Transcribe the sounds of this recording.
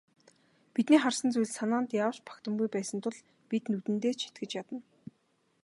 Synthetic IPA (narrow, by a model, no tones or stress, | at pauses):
pit̪niːχarsə̆nt͡sujɮsanaːnt̪jaːwt͡ɕpʰḁkt̪ə̆mɡujpæːsə̆nt̪ʰʊ̆ɮ | pit̪nut̪ɘ̆nt̪eːt͡ɕʰi̥t̪ɡɘ̆t͡ɕjat̪ə̆n